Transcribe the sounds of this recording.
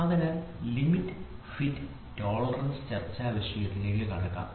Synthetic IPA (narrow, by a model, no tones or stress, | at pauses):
ɐðɐnɨlimitːɨfitː | toːɭɐrɐnst͡ɕɐrt͡ɕːɐːʋɐɕjɐjɐt̪ːinɐkikɐɽɐkːa̰ːm